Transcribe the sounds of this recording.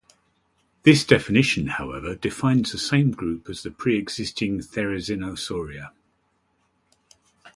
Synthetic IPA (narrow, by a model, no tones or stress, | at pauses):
ðɪsd̥ɛfɪnɪʃə̃nhaʊɛvədɪfãɪ̃nz̥ðəsẽɪ̃mɡɹʉˑpʰəz̥ðəpʰɹ̥iːɛɡz̥ɪstɪ̃ŋθɛɹəzɪnəʊsɔːɹiə